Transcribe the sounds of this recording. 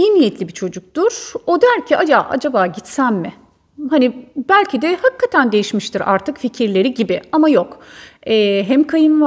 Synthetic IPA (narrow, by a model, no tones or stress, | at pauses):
inijɛt̪lʲibit͡ʃʰo̞d͡ʒuk̚t̪uɾ̥o̞d̪æɾcʰiʔad͡ʒaːʔa̰d͡ʒabaːɟit̪sæmmɪ | ɦanibælʲcʰid̪ɛhakːat̪ʰænd̪e̞jiʃmiʃt̪ʰiɾa̰ɾt̪ʰɯkficʰiɾlʲe̞ɾiɟibiamajo̞kɛːɦɛmkʰajɯnv